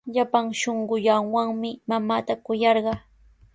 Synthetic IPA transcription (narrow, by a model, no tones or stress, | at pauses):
ʎapaŋʃoɴɢʊʎaŋwaŋmɪmamaːt̪akʊjɑɾɢɑ